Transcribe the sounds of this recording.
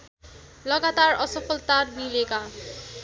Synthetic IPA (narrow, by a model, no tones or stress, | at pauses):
lʌɡat̪arʌsʌpʰʌlt̪arbileka